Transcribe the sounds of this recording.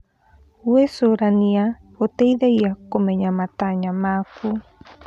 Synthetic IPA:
wesoɾanĩa | ot̪ejðajakomeɲamat̪aɲãmaku

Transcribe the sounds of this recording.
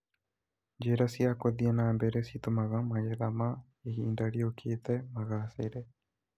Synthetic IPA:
d͡ʒeɾasiakoðianaːmbeɾesit̪umaɣamaɣeðama | eiːndaɽiokʰet̪emaɣaːseɾe

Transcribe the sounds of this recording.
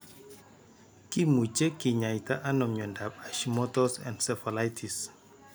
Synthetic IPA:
kimut͡ʃekiɲajtaʔanɔmɲɔndapaʃimɔtɔsɛ̰̃ndsɛfɔlajtʰis

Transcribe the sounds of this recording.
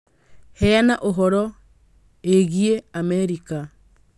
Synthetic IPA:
hɛanaʔoɦɔɾɔ | eɣieamɛɾika

